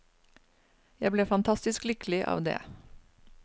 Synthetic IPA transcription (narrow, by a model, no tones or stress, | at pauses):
jæɪbleːfɑnt̪ʰɑst̪ɪsklʏklɪʔɑ̰ːʋd̪ḛː